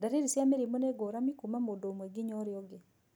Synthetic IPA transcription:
daɾeɾisjameɾimoneɡoɾamikumamodomweɡɪɲɔɾɪɔɡe

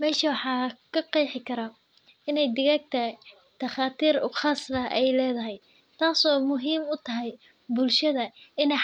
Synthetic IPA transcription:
mɛːʃɐwɑħɑːkʰɐqɑjħɪkʰɐɾɐ | ɪnɛjd̪ɪɣaːɡ̚t̪ʰɐ | d̪̥ɐχaːt̪ʰiːɾʊχɑːslɐʔɛjlɛːðɐɦɛj | t̪ʰaːsɔːmʊɦiːmʊt̪ʰɐɦɛj | bʊlʃɐðɐɪnɛj

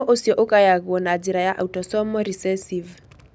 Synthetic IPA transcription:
ɔʔosjɔʔokajaɣwɔnad͡ʒiɾajaʔautɔsɔmɔɾisɛsiv

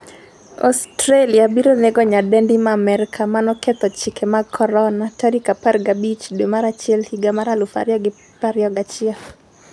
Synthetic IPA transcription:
ɔ̰stɾeliabiɾoneɡɔɲadɛndimamɛɾkʰamanɔkɛt̪ɔt͡ʃɪkʰɛmakʰːɔɾɔnataɾikaparɡabit͡ʃdwemaɾat͡ʃɪɛlhiɡamaɾalʊfa̰ɾjɔɡɪ | paɾjɔɡat͡ʃɪaf

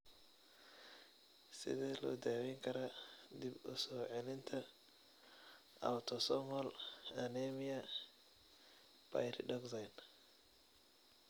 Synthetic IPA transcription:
sɪ̰ðɛːlɔ̰ːd̪aːwɛːŋkʰɐɾɐd̪ibʊ̰sɔːʕɛlɪnt̪ʰɐ | ɐ̰wt̪ʰɔsɔmɔlɐnɛmɪjɐ | pʰa̰jɾɪɖɔɡsajn

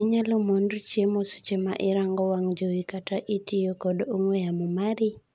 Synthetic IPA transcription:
ɲalɔmondt͡ʃiemosu̥t͡ʃema̰ʔɪɾaŋɡɔwaŋd͡ʒowikataʔitʰijokɔdoŋwejamumaɾi

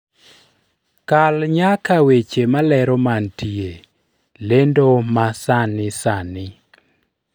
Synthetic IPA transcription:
kalɲakawet͡ʃemalɛɾɔmantie | lendomasanɪsanɪ

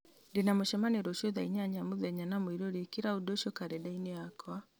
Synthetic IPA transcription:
ndenamoʃɛmaneɾoʃɔðaiɲaɲamoðɛɲanamoiɾoɾekiɾaudoʃɔkaɾɛdaineakwa

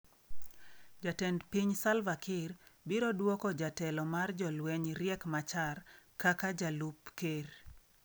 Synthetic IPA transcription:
d͡ʒatɛndpiɲsalvakʰɪrbiɾodwɔkɔd͡ʒatɛlɔmard͡ʒɔlwɛɲɾɪɛkmat͡ʃarkakad͡ʒalupker

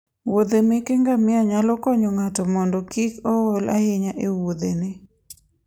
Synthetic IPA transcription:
wod̪emɪkeŋɡamɪaɲalɔkɔɲɔŋatɔmɔndɔkikɔwɔla̰hɪɲaʔewod̪enɪ

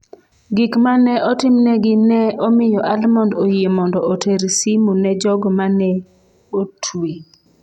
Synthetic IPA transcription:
ɡikmanɛʔɔtɪmnɛɡɪnɛʔɔmɪjɔʔalmɔndojemɔndɔʔoteɾsimunɛd͡ʒɔɡɔmanɛ | otʰui

